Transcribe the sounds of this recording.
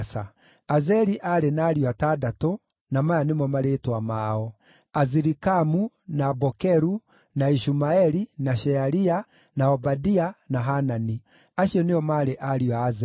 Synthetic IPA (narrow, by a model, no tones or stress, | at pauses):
sa | azɛɾiʔaɾenaːɾiwatadatɔ | namajanemɔmaɾetwamaːɔ | aziɾikamu | nabɔkɛɾu | naiʃumaɛɾinaʃɛaɾia | naɔbadianaɦanani | aʃiɔneɔmaɾeʔaɾiwaːzɛ